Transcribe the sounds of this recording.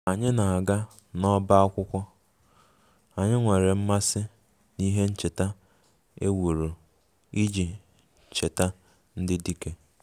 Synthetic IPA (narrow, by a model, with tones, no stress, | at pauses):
a˨ɲɪ˦na˨a˨ɡa˦ | nɔ˦ba˦a˦kʷʊ˦kʷɔ˦ | a˨ɲɪ˦ŋʷe˨ɾe˨m̩˦ma˦sɪ˦ | ni˦ɦe˦n̩˦t͡ʃe˨ta˦ | e˦wu˨ɾu˨ | i˦d͡ʒi˨˦ | t͡ʃe˨ta˦ | n̩˦dɪ˦di˦ke˨